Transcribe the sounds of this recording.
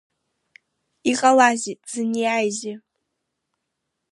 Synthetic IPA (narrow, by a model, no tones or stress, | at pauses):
iqʼalazitʼz̥ɨnijajzɪ